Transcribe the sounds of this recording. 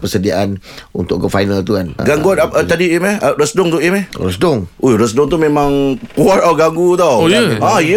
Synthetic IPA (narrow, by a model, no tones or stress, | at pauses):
pəsədiaʔan | unt̪ʊ̰ʔɡəfajnalt̪ukanɡaŋɡat̪t̪adiimɛərəsdʊŋt̪uʔimɛhrəsdʊŋʔoɾəsdʊŋt̪umẽmãŋkuat̪̚awɡaŋɡut̪awjaj